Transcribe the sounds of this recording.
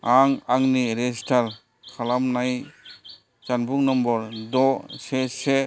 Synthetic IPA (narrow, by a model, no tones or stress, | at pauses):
aŋaŋniɾestʰaɾ | kʰalamnaj | t͡ʃanbuŋnɔmbɔɾdɔsese